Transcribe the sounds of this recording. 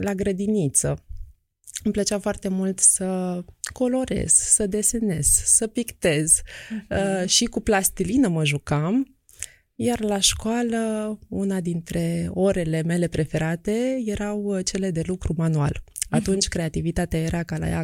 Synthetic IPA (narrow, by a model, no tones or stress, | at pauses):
laɡɾəd̪init̪sə | ɨmplət͡ʃafoart̪e̞mult̪səko̞lo̞ɾḛz̥səd̪e̞se̞ne̞̰z̥səpikt̪e̞z̥əʃikuplast̪ilinəməʒukam | jarlaʃkoaləunad̪int̪ɾe̞o̞ɾe̞le̞me̞le̞pɾe̞fe̞ɾat̪e̞je̞ɾawt͡ʃe̞le̞d̪e̞lukɾumanualat̪unt͡ʃʲkɾe̞at̪ivit̪at̪eaje̞ɾʔakala̰ja̰